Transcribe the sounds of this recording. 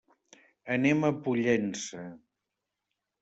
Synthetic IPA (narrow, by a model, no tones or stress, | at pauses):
əneməpuʎensə